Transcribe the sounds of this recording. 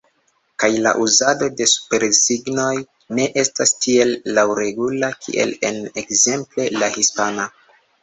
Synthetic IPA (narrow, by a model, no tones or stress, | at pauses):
kajla̰ʔuzado̞de̞su̥pe̞ɾsiɡno̞j | ne̞ʔe̞stastie̞lːawɾe̞ɡulakʰḭʔe̞̰lḛne̞kze̞mple̞lahispana